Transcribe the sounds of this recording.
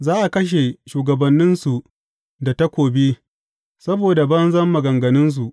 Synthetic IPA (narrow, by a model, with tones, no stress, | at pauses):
zaː˦ʔa˨kɐ˦ʃ̬e˨ʃuː˨ɡɐ˨bɐ˨nːɪ˦nsu˨ | da˨ta˦kʷoː˨bi˦ | sɐ˦boː˨da˨bɐ˦nzɐ˦mːɐ˨ɡɐ˨ŋɡɐ˨nɪ˦ns̬u˨ʔ